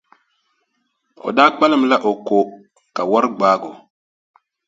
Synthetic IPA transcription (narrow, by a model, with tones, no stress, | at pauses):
o̰˨daː˦k͡pa˦lɨ˨m̩˦la˦ʔo˨ko˨ | ka˨wa˦ɾɨ˦ɡ͡baː˦ɡo˨